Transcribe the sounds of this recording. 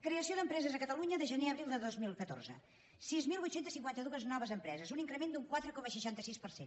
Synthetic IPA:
kɾeəsioðəmpɾɛzəzəkət̪əluɲəðəʒəneəβɾilˠd̪əðozmilˠkət̪o̰rzə̰ | sizmilˠβujt̪sent̪əsiŋkwant̪əðuəznɔβəzəmpɾɛzəzuniŋkɾəmend̪uŋkwat̪ɾəkɔməsəʃant̪əsispəɾsen

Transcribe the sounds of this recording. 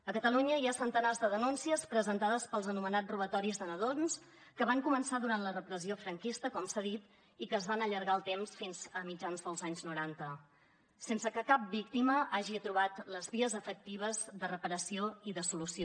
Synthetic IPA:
əkət̪əluɲəiasənt̪ənazðəðənunsiəspɾəzənt̪aðəspəlˠzənumənatruβ̞ət̪ɔɾizðənəðons | kəβaŋkumənsaðuɾant̪lərəpɾəziofɾəŋkist̪əkɔmsaðit̪ | ikəːzβanəʎəɾɣaəlˠt̪emsfinzəmid͡ʒanzðəlˠzaɲznuɾant̪ə | sensəkəkap̚bik̚t̪iməʔaʒit̪ɾuβ̞at̪ləzβiəzəfək̚t̪iβ̞əzðərəpəɾəsioiðəsulusio

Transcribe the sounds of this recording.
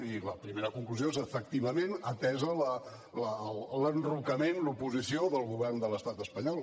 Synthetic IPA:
iləpɾimeɾəkuŋkluziozəfək̚t̪iβəmenət̪ɛzələ | lələnrukəmenlupuzisioðəlˠɣuβɛrnd̪ələst̪at̪əspəɲɔlˠ

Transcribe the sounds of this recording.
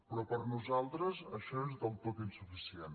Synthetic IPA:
pɾɔpəɾnuzalˠt̪ɾəzəʃɔezðəlˠt̪ot̪insufisien

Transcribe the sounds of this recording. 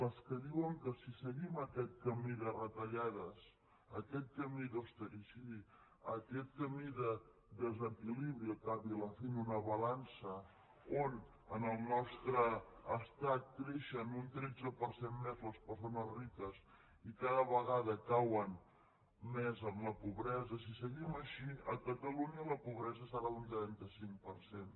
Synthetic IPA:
ləskəðiwəŋkəsisəɣiməkɛt̪̚kəmiðərət̪əʎað̞əs | əkɛt̪̚kəmiðowst̪əɾisi | əkɛt̪̚kəmiðə | d̪əzəkiliβɾiəkaβiləfenunəβɐlansə | on | ənəlˠnɔst̪ɾəːst̪at̪̚kɾeʃənunt̪ɾɛd͡zəpəɾsenmezləspəɾsonəzrikəs | ikaðəβəɣaðəkawən | mɛzəmləpuβɾɛzəsisəɣiməʃiəkət̪əluɲələpuβɾɛzəsəɾaðunt̪ɾɛnt̪əsiŋk̚pəɾsen

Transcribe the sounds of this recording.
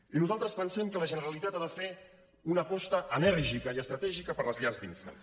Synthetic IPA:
inuzalˠt̪ɾəspənsɛmkələʒənəɾəlit̪at̪aðəfe | unəkɔst̪əʔənɛɾʒikəiəst̪ɾət̪ɛʒikəpəɾləzʎarzd̪ḭɱflə̰

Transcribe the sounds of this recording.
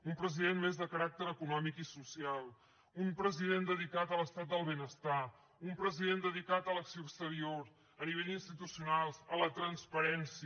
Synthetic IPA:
umpɾəziðenmezðəkəɾak̚t̪əɾəkunɔmikisusialˠ | umpɾəziðend̪əðikat̪ələst̪at̪̚d̪əlˠβenəst̪a | umpɾəziðend̪əðikat̪ələksioːəkst̪əɾioɾ | əniβ̞eʎd̪inst̪it̪usiunalˠzələt̪ɾənspəɾɛnsi

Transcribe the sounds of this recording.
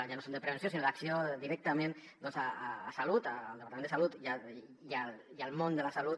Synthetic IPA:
ʒanosond̪əpɾəβensjosinoðaksiod̪iɾɛk̚t̪amẽn | d̪ɔnzaːsalut̪aːld̪əpaɾamenəsalut̪ʒa | ia | ialˠmond̪əlasalut̪

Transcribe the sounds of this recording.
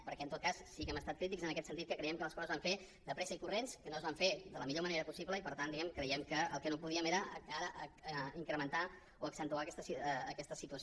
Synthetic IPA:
pəɾkɛənt̪ot̪kassikəməst̪at̪̚kɾit̪̬ikzənəkɛt̪sənt̪it̪̚kəkɾəiɛmkələskɔzəzβaɱfe | d̪əpɾɛsəikurenskənoəzβaɱfed̪ələmiʎoməneɾəpusipləipəɾt̪and̪iɣɛmkɾəiɛmkəəlˠkənopuðiəmeɾəəkaɾəʔəiŋkɾəmənt̪a | oəksənt̪uakɛst̪əsːkɛst̪əsit̪uəs

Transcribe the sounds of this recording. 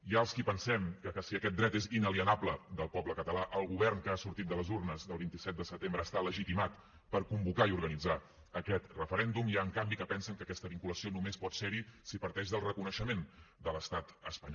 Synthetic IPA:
jaəlˠskipənsɛmkəkəsiəkɛt̪̚d̪ɾɛt̪ezinəliənabləd̪əlˠpɔbləkət̪əlaʔəlˠɣuβɛrŋkəasuɾt̪it̪d̪ələzurnəzðəlˠβint̪isɛt̪̚d̪əsət̪embɾəːst̪aləʒit̪imat̪ | pəɾkumbukaiuɾɣənid͡za | əkɛt̪rəfəɾɛnd̪umiaəŋkambikəpɛnsəŋkəkɛst̪əβiŋkuləsionumespɔt̪seɾisipəɾt̪ɛʃʒðəlˠrəkunəʃəmend̪ələst̪at̪əspəɲɔ

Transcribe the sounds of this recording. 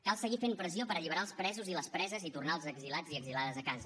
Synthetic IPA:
kalˠsəɣifempɾəziopəɾəʎiβəɾaəlˠspɾɛzuziləspɾɛzəzit̪urnaəlˠzəɡzilad͡ziəɡzilaðəzəkazə

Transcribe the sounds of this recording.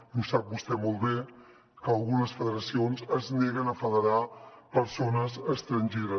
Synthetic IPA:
nusap̚bust̪ɛmolˠt̪be | kəːlˠɣunəsfəðəɾəsionzəzneɣ̞ənəfəðəɾapəɾsonəzəkst̪ɾənʲʒeɾə

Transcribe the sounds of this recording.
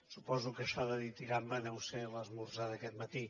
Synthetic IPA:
supɔzukɐʃɔðɐðit̪iɣambɐnɛwselɐzmuɾzaðɐkɛt̪mɐt̪i

